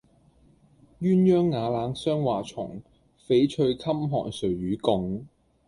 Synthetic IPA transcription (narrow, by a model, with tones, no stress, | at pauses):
jyː˥njœː˥ŋːaː˨˧laː˨˥nsœː˥ŋwaː˨t͡ʃʰʊ̰˨˩ŋ | fe˨˥jt͡ʃʰɵ˧ɥkʰɐ˥mɦɔ̰ː˨˩ŋsɵ˨˩ɥɥyː˨˥kʊ˧ŋ